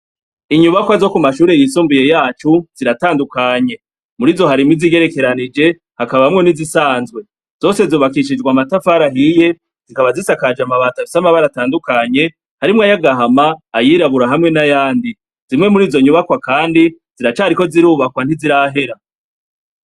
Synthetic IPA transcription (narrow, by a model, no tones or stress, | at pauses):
iɲuβakwazo̞kumaʃuːɾe̞jisuːmbuje̞jaːt͡ʃuz̥iɾataːndukaɲe̞ | muɾiːzo̞ɦaɾimiziɡe̞ɾe̞ke̞ɾanid͡ʒe̞ | hakaβamŋe̞nizisaːnzɡwe̞ | z̥o̞ːse̞zoːβakiʃ̬id͡ʒɡwamatafaɾaɦije̞ | z̥ikaβazisakad͡ʒamaβaːtafi̥samaβaɾataːndukaɲe̞ | haɾimŋajaɡaɦamaːjiːɾaβuɾaɦamŋe̞najaːndi | z̥imŋe̞muɾiːzo̞ɲuβakwakaːndiz̥iɾat͡ʃaːɾiko̞ziɾuːβakwan̥hiziɾaɦe̞ɾa